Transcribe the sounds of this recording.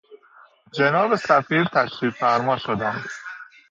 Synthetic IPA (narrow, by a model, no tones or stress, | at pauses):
d͡ʒenɒːbesæfiːɾt̪ʰæʃɾiːɡfæɾmɒːʃod̪æm